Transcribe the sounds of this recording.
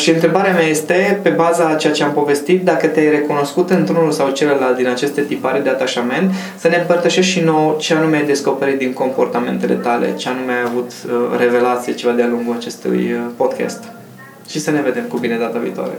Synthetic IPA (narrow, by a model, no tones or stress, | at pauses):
ʃiɨnt̪ɾe̞baɾeameaje̞st̪e̞pe̞bazat͡ʃe̞jat͡ʃe̞ampo̞ve̞st̪it̪̚d̪akət̪eajre̞kuno̞skut̪ɨnt̪ɾunulsawt͡ʃe̞ləlalt̪̚d̪inat͡ʃe̞st̪e̞t̪ipaɾed̪e̞at̪aʃame̞nt̪ | səne̞ɨmpərt̪əʃe̞ʃ̬t̪ʃino̞wt͡ʃeanumeajd̪e̞sko̞pe̞ɾit̪̚d̪iŋko̞mpo̞rt̪ame̞̰nt̪e̞le̞̰t̪ale̞̰t͡ʃeanumeajavut̪re̞ve̞lat̪sijet͡ʃe̞vad̪ealuŋɡulat͡ʃe̞st̪ṵjpo̞d̪kʲa̰st̪ | ʃisəne̞ve̞d̪e̞mkubine̞d̪at̪əvḭːt̪oa̰ɾe̞̰